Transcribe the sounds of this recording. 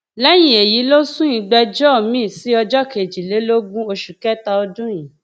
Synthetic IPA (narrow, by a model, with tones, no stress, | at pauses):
lɛ˦j̃ĩ˨e˨ji˨˦lo˦sũ˦jĩ˨˧ɡ͡bɛ˧d͡ʒɔ˦˨mĩ˦˨si˨˦ɔ˧d͡ʒɔ˦ke˨d͡ʒi˨le˨˦lo˦ɡũ˦o˧ʃu˨kɛ˦ta˧ɔ˧dũ˦jĩ˨